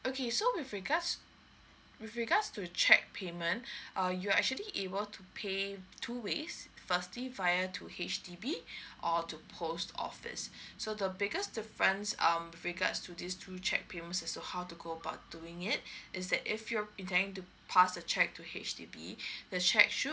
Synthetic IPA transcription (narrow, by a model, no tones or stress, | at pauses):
okʰesowɪfɹiɡas | wɪfɹiɡatstuət͡ʃʰɛk̚pʰemə̃ntʔajuaɛ̰k̚t͡ʃuəliʔebəltʰupʰetʰuwesfəstlivaɪətʰuhet͡ʃdibiʔɔtupʰostʰɔ̰fɪ̰sːodəbɪɡəsdɪfɹə̃nsʌ̰̃mwɪfɹiɡa̰tstʰudistʰut͡ʃɛ̰k̚pʰemə̃nsɛstohawtuɡoəbaʊt̚duɪ̃ŋɪt̚ʔɪs̬dɛtɪfjɔɛ̃ntɛ̃ɪ̃ŋtu | pʰasət͡ʃɛk̚tʰuhḛt͡ʃdḭbḭdət͡ʃɛk̚ʃu